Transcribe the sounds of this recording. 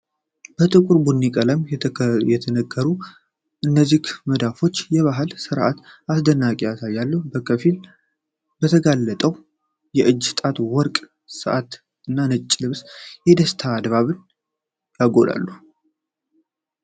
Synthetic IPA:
b̥ət̪ʼɨkʷʼuɾbunːikʼələmjɛt̪ʰənəɡːəɾu | ʔɨnːəzːikməd̪afo̞t͡ʃːjɛβaɦɨlsɨɾʔat̪asd̪ənːakʼijasajːalːəhubəkʰəfil | bət̪ʰəɡalːət̪ʼəw | jɛʔɨd͡ʒːst̪ʼat̪wɔɾkʼ | sɨʔat̪ | ɨnːanɨt͡ʃʼːlɨβsjɛd̪əst̪ʰaːd̪βaβɨn | jaɡo̞d̪a̰lːu

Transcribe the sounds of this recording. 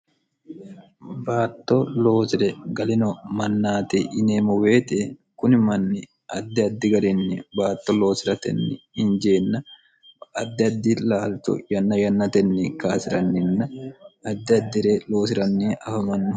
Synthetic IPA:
baːt̪ːolo̞ːsɪɾɛɡɐlɪnɔmɐnːaːt̪ɪʔɪneːmɔweːt̪ekʊnɪmɐnːɪ | ʔɐd̪ːɪɐd̪ːɪɡɐɾɪnːɪbaːt̪ːɔlo̞ːsɪɾɐt̪ɛ̰nːɪ̰ɪnd͡ʒeːnːɐ | ɐd̪ːɪɐd̪ːɪlaːlt̪ɔ̰jɐnːɐjɐnːɐt̪ɛnːɪkaːsɪɾɐnːɪnːɐɐd̪ːɪɐd̪ːɪɾeːlo̞ːs̬ɪɾɐnːiːɐfɐmɐnːɪ

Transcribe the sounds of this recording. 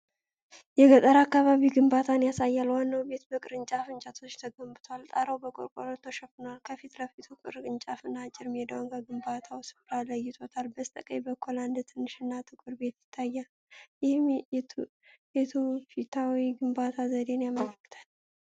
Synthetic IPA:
jɛɡət̪ʼəɾakːaβaβiɡɨmbat̪ʰanjasajːalwanːawbe̞t̪bəkʼɨɾɨnt͡ʃʼafɨnt͡ʃʼat̪ʰo̞t͡ʃːt̪ʰəɡəmbɨt̪ʰalt̪ʼaɾəwbəkʼoɾkʼo̰lot̪ʰːoʃəfɨnalkʰəfit̪ləfit̪ʰukʼɨ̰ɾɨnt͡ʃʼafɨnːat͡ʃʼɪɾmed̪əwnkʰəɡɨmbat̪ʰawsɨ̥fʼɾaləjːɪt̪ʰo̞t̪ʰalbəst̪ʼəkʼəjbəkʰoland̪t̪ʰɨnːɨʃɨnːat̪ʰɨkʼɨɾbe̞t̪jɪt̪ʰːajːa | jɪhm | et̪ʰufit̪ʰawiɡɨmbat̪ʰazəd̪e̞njamələkːɨ̥t̪ʰḁl

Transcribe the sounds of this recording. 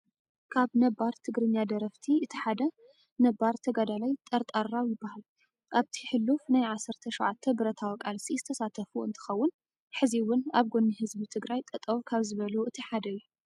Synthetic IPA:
kʰaβnɐbaɾt̪ʰɨɡɾɨɲːad̪ɐɾɐft̪ʰiɨt̪ʰiħad̪ɐ | nɐbːaɾt̪ʰɐɡad̪alajt̪ʼɐɾt̪ʼaɾːawjɪbːahal | ʔaβt̪ʰiħɨlːufnajʕasːɨɾt̪ʰɐʃɔʕat̪ʰːɐbɨɾɐt̪ʰawikʼalsizɨt̪ʰɐsat̪ʰɐfuɨ̰nt̪ʰɨ̥xɐwːʊn | ħɨziwːʊnaβɡonːihɨzbit̪ʰɨɡɾajt̪ʼɐt̪ʼɐwkʰaβzɨβɐluʔɨt̪ʰiħad̪ɐjːu

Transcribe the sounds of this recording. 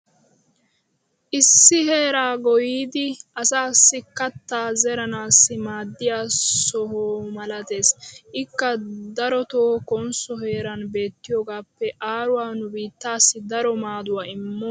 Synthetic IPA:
ʔɪsːɪhe̞ːɾaːɡɔjiːd̪ɪɐsaːsːɪkɐt̪ːaːzɛɾɐnaːsːɪmaːd̪ːɪjaːsɔɦoːmɐlɐt̪e̞ːsʔɪkːɐd̪ɐɾɔt̪oːkɔnsɔɦe̞ːɾɐnbe̞ːt̪ːɪjoːɡaːpːɛʔaːɾʊwaːnʊbiːt̪ːaːsːɪd̪ɐɾɔmaːd̪ʊwaːɪmːɔ

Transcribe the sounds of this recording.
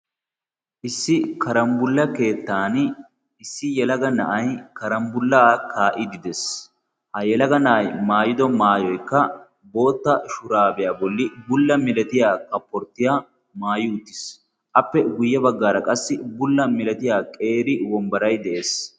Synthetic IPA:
ʔɪsːɪkɐɾɐmbʊlːɐke̞ːt̪ːaːn | ɪsːɪjɛlɐɡɐnɐ̰ʔɐjkɐɾɐmbʊlːaːkʰaːʔɪd̪ɪd̪ɛs | hɐjɛlɐɡɐnɐʔɐjmaːjɪd̪ɔmaːjɔjkːɐ | bo̞ːt̪ːɐʃʊɾaːbɛjaːbɔlːɪbʊlːɐmɪlɛt̪ɪjaːkɐpːɔɾt̪ːɪjaː | maːjɪʊt̪ːɪ̥s | ʔɐpːɛɡʊjːɐbɐɡːaːɾɐkʼɐsːɪbʊlːɐmɪlɛt̪ɪjaːkʼe̞ːɾɪwɔmbɐɾɐjd̪ɛʔe̞ːs

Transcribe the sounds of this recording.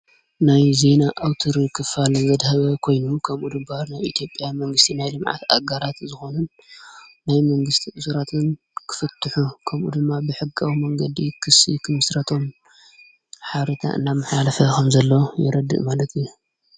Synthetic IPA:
najze̞naʔawt̪ʰɨɾikʰɨfalɐzɐd̪hɐβɐkʰo̞jnukʰɐmʔud̪ɨmbaɾnajʔit̪ʰjo̞pʼːjamɐŋɡɨst̪ʰinajlɨmʕa̰t̪a̰ɡaɾat̪zɨxo̞nunː | ajmɐŋɡɨst̪ʰiʔɨsuɾat̪ʰɨn | kʰɨ̥fɐt̪ʰːɨħukʰɐmʔṵd̪ɨmːabɨħɨɡawimɐŋɡɐd̪ikʰɨsḭkʰɨmɨsɾɐt̪ʰo̞m | ħaβɾɐt̪ʰa̰ʔɨ̰nːamːɨħalɐfɐkʰɐmzɐlːojɛ̰ɾɐd̪ɨ̰ʔmalɐt̪ʰiju

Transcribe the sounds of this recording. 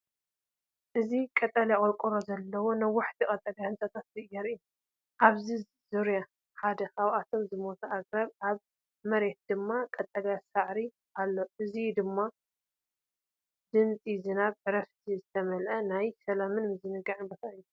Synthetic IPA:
ʔɨzikʼɐt̪ʼɐlakʼɐlkʼuɾozɐlːɐwonɐwaħt̪ʰikʼɐt̪ʼɐɡahɨnsʼɐt̪ʰat̪zɨʔjɐɾɨjːu | ʔaβzi | zuɾja | ħad̪ɐkaβʔat̪ʰo̞mzɨmo̞t̪ʰuʔaɡʼɾaβʔaβ | mɐɾe̞t̪̚d̪ɨmːakʼɐt̪ʼːɐɡasaʕɾi | ʔalːo̞ʔɨzid̪ɨmːa | d̪ɨnt͡sʼizɨnaβʕɨɾɐft̪ʰizɨt̪ʰɐmɐlʔɐnajsɐlamɨnmɨzɨnɨɡaʕɨnbɐt̪ʰaɨjːu

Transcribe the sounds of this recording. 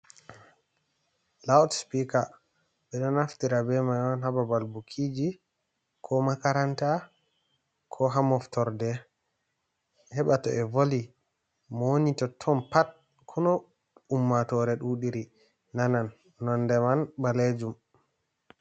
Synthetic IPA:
lawtspika | ɓɛɗɔnaftiɾabɛmajɔnɦababalbukʰid͡ʒi | kʰɔmakaɾanta | kʰɔɦamɔftɔɾdɛ | hɛɓatɔ̰ʔɛvoli | mɔonitɔtʰɔnpat̚ | kʰunɔ | umːatɔɾɛɗuɗiɾi | nananː | ɔndɛmanbaled͡ʒum

